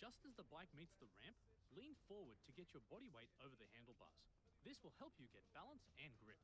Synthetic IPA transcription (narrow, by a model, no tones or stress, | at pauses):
d̥ʒ̥ʌstɨzðəbaɪk̚mitsðəɹæ̃mp̚ | lĩnfɔɹwə˞d̚tʰɨɡɛt͡ʃə˞bɑɾiweɪɾoʊvə˞ðɨhæ̃ndˡl̩ˠbɑ̰s | ðɪswəlˠhɛlˠpʰjɨɡɛt̚b̥ælˠə̃nsɨ̃nɡɹɪp̚